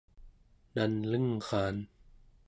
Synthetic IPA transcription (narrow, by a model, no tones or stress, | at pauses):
danlɯŋxaːn